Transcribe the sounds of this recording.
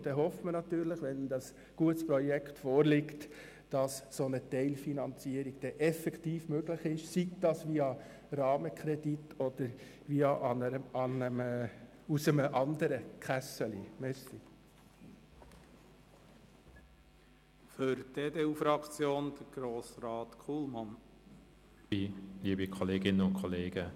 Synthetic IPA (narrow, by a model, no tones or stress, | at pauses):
d̥ɛɦɔftmənɑt̪yːɾləχʋɛnd̥̪ɑs | ɡ̥uətspɾɔjɛktfoːɾlɪkt | d̥ɑssonətɛɪlfinɑnt͡siəɾiɡ̥d̥ɛʔɛfɛktiːfmøɡləχɪʃsik̚d̥ɑsʋiɑ | ɾɑːməkʰχɾɛd̥itʰɔd̥əɾ | ʋiɑʔɑnəɑnəm | usəməʔɑnd̪əɾəkχæsəlimɛɾsi | føɾdeːd̪eːufɾɑkt͡sjoːnd̪̥əɾɡ̥ɾoːsɾɑːt̪kʰuːlmɑn | iliːbikʰɔleːɡɪnəʊnkʰɔleːɡ̥ə